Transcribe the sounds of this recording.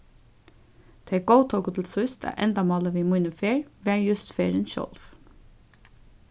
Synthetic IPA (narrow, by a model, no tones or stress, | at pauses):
t̪ʰeɡ̥oʊt̪ʰɔːɡʊt̪l̩sʊst̪ʰæ̰ːʔɛnd̪ɑmɑːləʋiːmuːnəfeːɹʋæːɹjʉst̪feːɹənʃɔ̰lf